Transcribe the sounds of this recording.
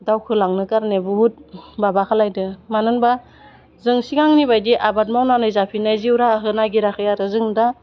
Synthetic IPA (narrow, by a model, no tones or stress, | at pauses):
dawkʰɯlaŋnɯkaɾnebuɦut̚babakʰalajdɯmanɯnba | zɯŋsiɡaŋnibajdiʔabat̚mawnanɯjzapʰinajziwɾaɦɯnaɡiɾakʰɯjaɾɯzɯŋda